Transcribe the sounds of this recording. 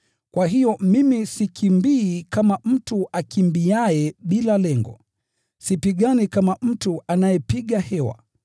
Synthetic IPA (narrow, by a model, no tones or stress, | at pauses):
kwaɦijɔmimisikʰimbiːkamam̩tuakʰimbiajɛɓilalɛŋɡɔ̰ | sipiɠanikamam̩tuanajɛpiɠahɛwa̰